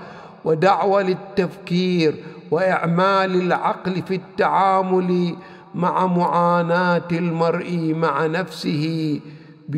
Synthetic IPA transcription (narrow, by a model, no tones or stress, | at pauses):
wɪd̪aʕwalɪt̪ːafkiːɾ | wɪʔɪʕmaːlɪlʕɑqlfit̪ːaʕaːmʊl | maʕamʊʕaːnaːt̪ɪlmɑɾˤʔimaʕanafsɪhɪ | b